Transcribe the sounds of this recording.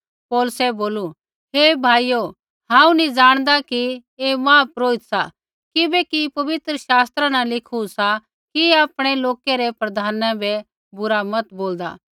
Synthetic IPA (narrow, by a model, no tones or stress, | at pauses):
poːlʊsɛboːlu | ɦeːbʱaːijo | ɦãːũnĩd͡ʒaːɽ̃d̪akiemãːpɾoːɪt̪sa | kɪbɛkipɐʋɪt̪ɾəʃaːst̪ɾanãlɪkʰusa | kiaːpɽ̃eloːkeɾɛpɾɐd̪ʱaːnãbɛ | bʊɾamɐt̪boːld̪a̰ː